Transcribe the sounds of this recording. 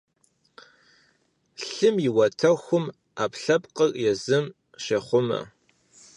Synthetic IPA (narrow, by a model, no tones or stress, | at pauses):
ɬɨmjɪwɐtʰɐxʷʊm | aːpɬɐpqʼərjɛzɨm | ʃɐχʷʊmɐ̰